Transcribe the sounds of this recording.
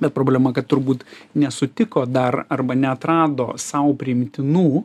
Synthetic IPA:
bʲɛt̪pɾoːbʲlʲɛmɐkɐtt̪ʊɾbuːt̪nʲɛsʊt̪ʲɪkoːd̪ɐrɐrbɐnʲɛɐt̪ɾɑːd̪oːsɐʊpʲɾʲɪɪmʲt̪ʲɪnuː

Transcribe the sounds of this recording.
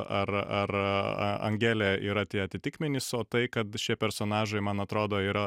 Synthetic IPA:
ɐɾɐrɐ̰ɐ̰ŋʲɡʲæːlʲɛːḭːɾɐt̪ʲiɛɐt̪ʲɪt̪ʲɪkmʲɪnʲɪsoːt̪ɐɪkɐt̪ʃʲiɛpʲɛɾsoːnɑːʒɐɪmɐnɐt̪ɾoːd̪oːiːɾɐ

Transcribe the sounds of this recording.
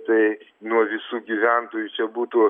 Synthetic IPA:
t̪ɐɪ | nuɔʋʲɪsuːɡʲiʋʲænt̪oːjut͡ʃʲɛbuːt̪oː

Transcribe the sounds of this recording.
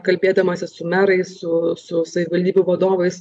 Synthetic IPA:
kɐlʲbʲeːd̪ɐmɐsʲɪsʊmʲæɾɐɪssʊsʊsɐʋʲɪʋɐlʲd̪ʲiːbʲuʋɐd̪oːʋɐɪs

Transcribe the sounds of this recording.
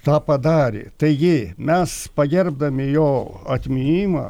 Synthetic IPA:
t̪ɑːpɐd̪ɑːɾʲɪ̰t̪ɐɪɡʲɪmʲɛspɐɡʲɛrb̚d̪ɐmʲɪjoːɐt̪ʲmʲɪnʲiːmɑ̰ː

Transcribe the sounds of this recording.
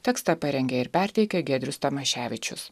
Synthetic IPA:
t̪ʲɛkst̪ɑpɐɾʲɛŋʲɡʲɛɪɾpʲæˑɾʲt̪ʲɛɪkʲɛɡʲɛd̪ʲɾʲʊst̪ɐmɐʃʲæːʋʲɪt͡ʃʲʊs

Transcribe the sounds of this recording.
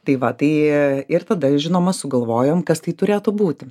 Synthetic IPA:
t̪ɐɪʋɐt̪ɐɪɪrt̪ɐd̪ɐʒʲɪnoːmɐsʊɡɐlˠʋoːjoːmkɐst̪ɐɪt̪ʊɾʲeːt̪ʊbuːt̪ʲɪ

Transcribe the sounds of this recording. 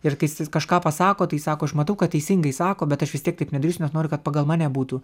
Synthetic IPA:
ɪrkɐɪskɐʃkɑːpɐsɑːkoːt̪ɐɪsɑːkoːɐʃmɐt̪ɐʊkɐt̚tʲɛɪsʲɪŋɡɐɪsɑːkoːbʲɛt̪ɐʃʋʲɪst̪ʲiɛkt̪ɐɪpnʲɛd̪ɐɾʲiːsʲʊnɛsnoːɾʲʊkɐt̪̚pɑːɡɐlˠmɑːnʲɛːbuːt̪uː

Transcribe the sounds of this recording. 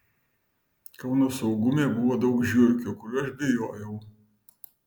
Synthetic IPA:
kɐʊnoːsɐʊɡʊmʲeːbʊʋoːd̪ɒʊkʒʲuɾʲkʲukʊɾʲuɐʃbʲɪjoːjɛʊ

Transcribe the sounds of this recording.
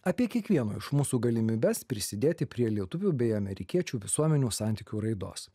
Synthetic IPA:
ɐpʲiɛkʲiɛkʋʲiɛnoːɪʃmuːsuːɡɐlʲɪmʲibʲɛspʲɾʲɪsʲɪd̪ʲeːt̪ʲɪpʲɾʲiɛlʲiɛt̪ʊʋʲuːbʲɛɪɐmʲɛɾʲɪkʲiɛt͡ʃʲuːʋʲɪsuɔmʲɛnʲuːsɑːˑnʲt̪ʲɪkʲuːɾɐɪd̪o̰ːs

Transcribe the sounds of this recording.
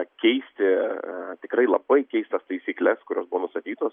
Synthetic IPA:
kʲɛɪsʲt̪ʲɪt̪ʲɪkrɐɪlˠɐbɐɪkʲɛɪst̪ɐst̪ɐɪsʲiːklʲɛskʊɾʲoːsbʊʋoːnʊst̪ɐt̪ʲiːt̪oːs

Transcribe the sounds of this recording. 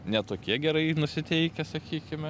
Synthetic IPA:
nʲɛt̪oːkʲiɛɡʲɛɾɐɪnʊsʲɪt̪ʲɛɪkʲɛsɐkʲiːkʲɪmʲɛ

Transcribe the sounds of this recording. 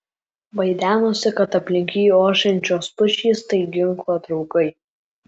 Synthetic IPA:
ʋɐɪd̪ʲæːnoːsʲɪkɐt̪ɐpʲlʲɪŋʲkʲiːjuoːʃʲɛnʲt͡ʃʲoːspʊʃʲiːst̪ɐɪɡʲɪŋklˠoːt̪ɾɒʊkɐɪ

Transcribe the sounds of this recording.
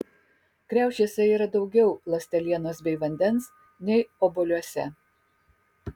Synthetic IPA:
kɾʲæˑʊʃʲeːsʲɛiːɾɐd̪ɒʊɡʲɛʊlˠɐsʲt̪ʲɛlʲiɛnoːsbʲɛɪʋɐnʲd̪ʲɛns | nʲɛɪɔbɔlʲuɔsʲɛ̰

